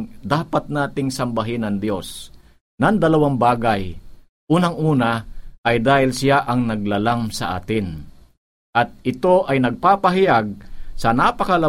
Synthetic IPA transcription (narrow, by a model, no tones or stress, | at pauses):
d̪aːpɐt̪̚naːt̪ɪŋsɐmbɐɦɪnɐŋd̪jo̞s | nɐŋd̪ɐlɐwaŋbaːɡaj | ʔuːnɐŋʔuːnɐʔɐjd̪aːhɪlsɪjaʔɐŋnɐɡ̚lalamsɐ̰ʔa̰ːt̪ɪn | ʔɐt̪̚ʔɪt̪o̞ʔɐjnɐɡ̚paːpɐɦɪjaɡ̚sɐnapɐkɐlɐ